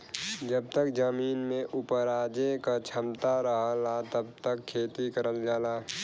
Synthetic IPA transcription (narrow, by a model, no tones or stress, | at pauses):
d͡ʒəb̚t̪əkd͡ʒəmiːnmẽʔʊpəɾaːd͡ʒekat͡ʃʰəmt̪aɾəɦlat̪əb̚t̪əkʰːeːt̪ikəɾəld͡ʒaːlaː